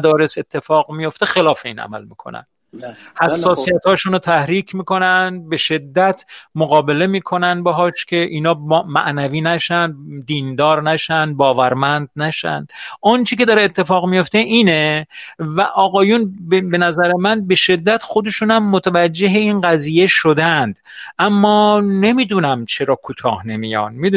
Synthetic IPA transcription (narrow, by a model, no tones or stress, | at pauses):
d̪ɒːɾe̞se̞t̪ʰːe̞fɒːɣmijo̞ft̪e̞xelɒːfeiːnæ̰mæ̰lmḭːkʰo̰næ̰n | hæssːɒːsijæt̪hɒːʃunot̪ʰæhɾiːkʰmiːko̞nænd̪̚be̞ʃe̞d̪ːæt̪ʰmoɣɒːbe̞le̞miːkʰo̞nænbeɦɒːʃkʲʰe̞ʔiːnɒːmæ̰ʔnæviːnæʃænd̪d̪iːnd̪ɒːɾnæʃæn̚bɒːvæɾmænd̪̚næʃæ̰nd̪̥ʔɒnt͡ʃʰek̬ʲʰe̞d̪ɒɾeːt̪ʰːefɒːɣmijo̞ft̪e̞ʔiːnevæʔɒːɣɒːjunbbe̞næzæɾemænbe̞ʃe̞d̪ːæt̪xo̞d̪e̞ʃunæmːot̪ʰævæd͡ʒːe̞ɦeinɢæziːje̞ʃod̪ænd̪̥ | ʔæmːɒːne̞mid̪unæmt͡ʃʰe̞ɾɒːkʰuːt̪ʰɒ̰ːhne̞mijɒ̰nmid̪